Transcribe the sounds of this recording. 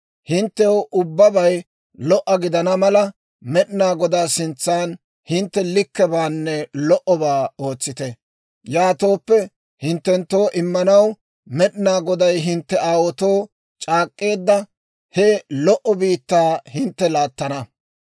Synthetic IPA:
hɪnt̪ːɛwʔʊbːɐbɐj | lɔʔːɐɡɪd̪ɐnɐmɐlɐ | mɛɗɪnaːɡɔd̪aːsɪnt͡sːaːn | hɪnt̪ːɛlɪkːɛbaːnːɛlɔʔɔbaːo̞ːt͡sːɪt̪ɛ | jaːt̪o̞ːpːɛ | hɪnt̪ːɛnt̪ːo̞ːʔɪmːɐnɐw | mɛɗɪnaːɡɔd̪ɐjɦɪnt̪ːɛaːwɔt̪oː | t͡ʃʼaːkʼːe̞ːd̪ːɐ | hɛlɔʔɔbiːt̪ːaːhɪnt̪ːɛlaːt̪ːɐnɐ

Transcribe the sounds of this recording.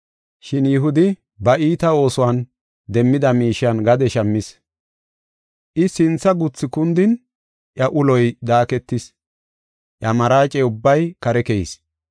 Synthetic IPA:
ʃɪnjɪɦʊd̪ɪ | bɐʔiːt̪ɐo̞ːsʊwan | d̪ɛmːɪd̪ɐmiːʃɪɐnɡɐd̪ɛʃɐmːɪs | ʔɪsɪnt͡sːɐɡʊt͡sːɪkʊnd̪ɪn | ʔjɐʔʊlɔjd̪aːkɛt̪ːɪs | ʔjɐmɐɾaːt͡ʃʼɛʊbːɐjkɐɾɛkɛɪ̰s

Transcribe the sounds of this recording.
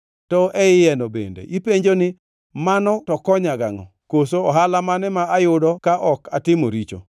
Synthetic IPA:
tɔʔɛɪjɛnɔbḛndḛʔipeɲd͡ʒonɪ | manɔtɔkɔɲaɡaŋɔ̰ | kosoɔɦalamanɛmaajʊdɔkaʔɔkatɪmoɾit͡ʃo̰

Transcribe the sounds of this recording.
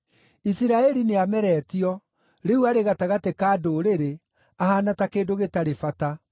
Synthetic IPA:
isiɾaɛɾineamɛɾɛːtiɔ | ɾeuaɾeɣataɣatekaːdoɾeɾe | ahanatakeːdoɣetaɾefata

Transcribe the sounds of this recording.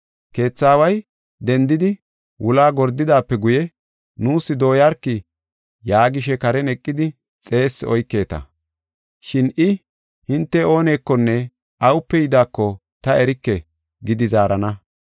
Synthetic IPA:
ke̞ːt͡sːaːwɐj | d̪ɛnd̪ɪd̪ɪ | wʊlaːɡɔɾd̪ːɪd̪aːpːɛɡʊjɛ | nuːsːɪd̪o̞ːjaɾkːɪ | jaːɡɪʃɛkɐɾɛnɛkʼːɪd̪ɪ | t͡sʼe̞ːsːɔjkːe̞ːt̪ɐ̰ | ʃɪnʔɪ | hɪnt̪ːɛo̞ːne̞ːkːɔnːɛ | ʔɐwʊpːɛjɪd̪aːkːɔ | t̪ɐʔɛɾɪkːɛ | ɡɪd̪ɪzaːɾɐnɐ

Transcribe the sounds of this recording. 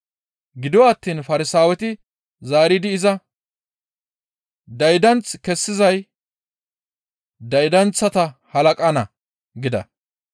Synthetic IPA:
ɡɪd̪ɪwaːt̪ːiːnfɐɾɪsaːwɛt̪ɪ | zaːɾid̪ɪːzɐ | d̪ɐjd̪ɐnt͡skɛsːɪzɐj | d̪ɐjd̪ɐnt͡sːɐt̪ɐhɐlɐkʼɐnɐ | ɡɪd̪ɐ̰

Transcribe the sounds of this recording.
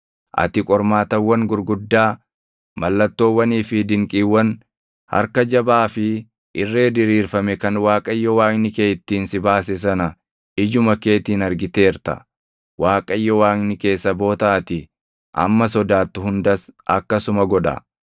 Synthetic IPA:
ʔɐ̰t̪ɪkʼɔɾmaːt̪ɐwːɐŋɡʊɾɡʊd̪ːaː | mɐlːɐt̪ːo̞ːwːɐniːfɪd̪ɪŋkʼiːwːɐn | hɐ̰ɾkɐd͡ʒɐbaːfɪ | ʔɪrːe̞ːd̪ɪɾiːɾfɐmɛkɐnwaːkʼɐjːɔwaːknɪke̞ːjt̪ːiːnsɪbaːsɛs̬ɐnɐ | ɪd͡ʒʊmɐke̞ːt̪iːnɐɾɡɪt̪e̞ːɾt̪ɐ̰ | waːkʼɐjːɔwaːknɪke̞ːsːɐbo̞ːt̪aːt̪ɪ | ʔɐ̰mːɐsɔd̪aːt̪ːʊhʊnd̪ɐsʔɐkːɐsʊmɐɡɔᶑɐ̰

